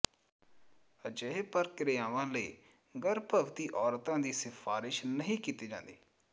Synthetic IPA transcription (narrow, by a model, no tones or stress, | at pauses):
əd͡ʒəepəɾkɪɾejaːʋãːləiː | ɡəɾpəʋt̪iːʔɔːɾt̪ãːd̪iːsɪfʰaːɾɪʃnəɦĩːkiːt̪iːd͡ʒã̰ːnd̪iː